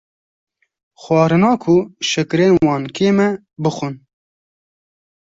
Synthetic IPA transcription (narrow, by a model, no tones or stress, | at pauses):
xwɑːɾɨnɑːkʰʊʃɨkɾeːnwɑːnkʰeːmɛ | bɨxʊn